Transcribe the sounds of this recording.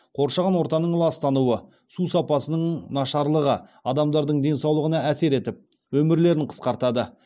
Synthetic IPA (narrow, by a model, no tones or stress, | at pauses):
qʰo̞ɾʃɑʁɑnwo̞ɾt̪ɑnəɴlˠɑst̪ɑnuwə | susɑpɑsənəɴnɑʃɑɾlˠəʁəɑd̪ɑmd̪ɑɾd̪əɴd̪e̞nsɑwlˠəʁənɑæse̞ɾe̞t̪ɪp̚wɵmɪɾle̞ɾɪɴqʰə̥sqɑɾt̪ɑd̪ə